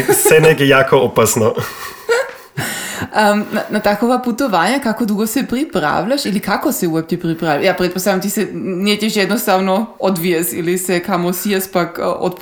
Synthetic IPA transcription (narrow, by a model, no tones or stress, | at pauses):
ssɛnɛkɛjakoɔpasnɔ | ənanat̪akovaput̪ovaɲakakod̪uɡosɛpɾipɾa̰vʎʲaʃilikakosɛuɛp̚t̪ʲɛpɾipɾavlʲajapɾɛt̪̚post̪avamt̪isɛniɛtcʲɛʃɛd̪nost̪avnood̪viasilisɛkamosiaspako̰t̪p